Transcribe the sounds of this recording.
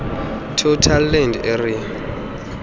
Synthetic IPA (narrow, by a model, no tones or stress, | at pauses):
tʰotʰalːɛnderia